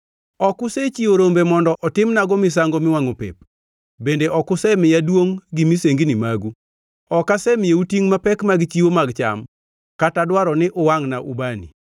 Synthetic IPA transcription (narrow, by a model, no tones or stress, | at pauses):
ɔkʊset͡ʃiwoɾombemɔndɔʔɔtɪmnaɡɔmɪs̬aŋɡɔmɪwaŋopḛp̚ | bendeʔɔkʊsɛmɪjadwoŋɡimiseŋɡinimaɡu | ɔkasɛmɪjeutiŋmapɛkmaɡt͡ʃiwomaɡt͡ʃa̰m | katadwaɾɔnɪʔʊwaŋnaʔubanḭ